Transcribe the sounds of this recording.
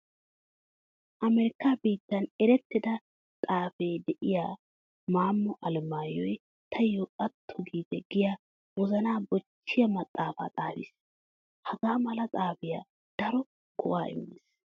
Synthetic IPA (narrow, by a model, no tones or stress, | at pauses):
ʔɐmɛɾɪkːabiːt̪ːɐnɛɾɛt̪ːɪd̪ɐ | t̪ʼaːfɛjd̪ɛʔɪjaː | maːmːɔʔɐlmaːjɔj | t̪ʰɐjɔʔʼɐt̪ʰːʊɡiːt̪ɛɡɪjaː | wɔzɐnaːbɔt͡ʃːɪjɐmɐt̪ʼːaːfa̰ːt̪ʼaːfḭːs | hɐɡaːmɐlɐt̪ʼaːfɪja̰ | d̪̥ɐɾɔ | kʰɔʔaːɪ̰mːis